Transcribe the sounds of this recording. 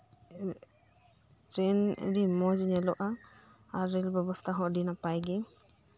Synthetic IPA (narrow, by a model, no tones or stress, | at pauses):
tɾɛnɾimɔzinɛlɔʔa | aɾːelbɛbɔst̪ʰaɦɔ̃ʔdinapajɡɛ